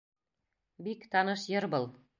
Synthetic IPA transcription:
bikt̪ɑnɤʃjɤɾbɤlˠ

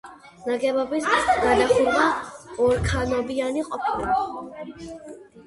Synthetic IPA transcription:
naɡɛbɔbisɡanaχulmaɔɾkʰanɔbianiqʼɔpʰila

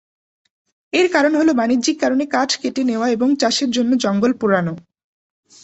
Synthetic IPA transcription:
eɾkaɾonɦolobanidd͡ʑikːaɾonekaʈʰkeʈeneoaeboŋt͡ɕaʃeɾd͡ʑonːod͡ʑɔŋɡolpuɾano

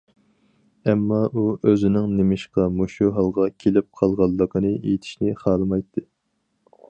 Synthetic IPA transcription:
ɛmːɑuøzɪnɪŋnemɪʃqɑmoʃuɦɑlˠʁɑkʲʰelɪp̚qʰɑlˠʁɑlˠːəqʰənɨḛjt̪ʰɪ̥ʃnɪχɑːlɨmɑjt̪ʰːɨ

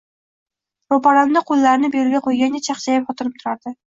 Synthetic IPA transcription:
ɾopaɾand̪aqʰolˠːaɾnɪbeɾɪɡʲaqʰojɡʲanɡʲat͡ʃʰɑχt͡ʃʰajɪpχɒt̪ʰɨɾɪp̚t̪ʰʊɾaɾd̪ɪ

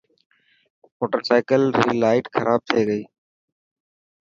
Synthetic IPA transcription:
moːʈəɾsaːɪkəlɾiːlaːɪʈkʰəɾʔaːb̚t̪ʰeːɡəiː

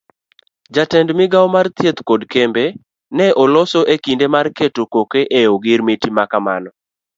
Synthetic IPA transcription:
d͡ʒatɛndmɪɡawmart̪jet̪kɔdkembe | nɛʔɔlɔsɔʔekindemarketokokeʔeoɡɪɾmitimakamanɔ

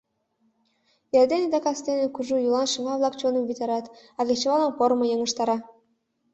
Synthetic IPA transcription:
jerd̪enĕd̪ɑkɑst̪enĕkuʒujulˠɑnʃɤ̆ŋɑβlˠɑkt͡ɕonə̆mvʲit̪ʲɑɾɑt̪ɑɣet͡ɕĕβɑlɑnpoɾmɤ̆jɤ̆ŋə̆ʃt̪ɑɾɑ

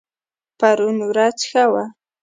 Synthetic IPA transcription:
paɾʊnʊɾat͡ʃxawa

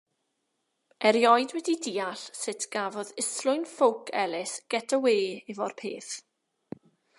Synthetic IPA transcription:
ɛɾjɔjdwɛdidiːaɬsɪtʰɡ̥avɔðɪslʊɨnfowkʰɛlˠɪsɡ̥ɛtʰəweːivɔrpʰeːθ

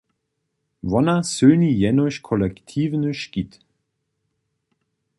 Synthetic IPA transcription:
vɔnɐsøːnijɛnɔɕkʰɔlɛktʰiːvnəʃkit

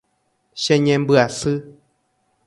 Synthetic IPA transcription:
ʃẽɲẽmbɨasɨ

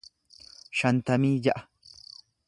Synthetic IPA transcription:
ʃɐnt̪ɐmiːjɐʔɐ

